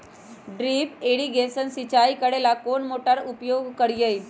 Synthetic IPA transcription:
ɖɾiːpeɽiɡesənsit͡ɕaikəɽelakoɳmoʈaɾupjoɡkəɽjej

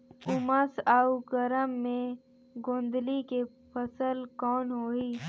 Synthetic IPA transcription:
ʊməsaːuɡəɾəmːẽ | ɡõːnd̪like | pʰəsəlkɔːnɦoːiː

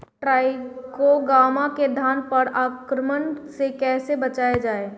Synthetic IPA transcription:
ʈɾaːɪkoɡaːmaked̪ʱaːnpəɾaːkɾəmənsekɛːsebət͡ʃaːed͡ʒaːeː

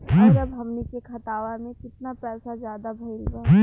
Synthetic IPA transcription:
ʈʰiɔːɾɐbɦɐmnekekʰɐt̪aːʋamẽkɪt̪napɛːsazjaːd̪abʱɐliɡa

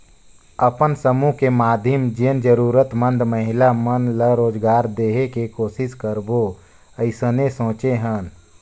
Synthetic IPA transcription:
əpənsəmuɦkemaːd̪ʱjəmd͡ʒend͡ʒəɾuːɾət̪mənd̪məɦɪlamənləɾoːd͡ʒɡaːɾd̪eːɦekekoːsɪskəɾbo | əɪsənesõːt͡ʃeɦən

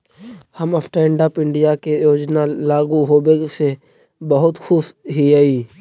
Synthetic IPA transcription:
həmɐfʈəɪ̃ɳɖaːpɪ̃ɳɖijakejoːd͡ʒnalaːɡuɦoːbese | bəɦʊt̪xʰʊʃɦiaiː

